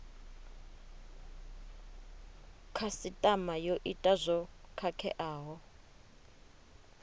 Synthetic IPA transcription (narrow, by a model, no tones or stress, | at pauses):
kʰasitʼamajoʔitʼazʷɔkʰakʰɛ̰ʔaːɦɔ